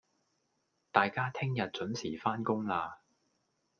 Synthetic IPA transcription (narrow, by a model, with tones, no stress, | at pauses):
t̪aː˨jkaː˥t̪ʰɪ˥ŋjɐ˨t̚t͡sɵ˨˥nsʰiː˨˩faː˥nkʊ˥ŋlaː˧